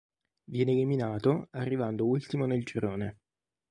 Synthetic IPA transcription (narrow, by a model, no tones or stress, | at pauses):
vjɛːneliminaːt̪oarːivand̪oult̪imoneld͡ʒiɾoːne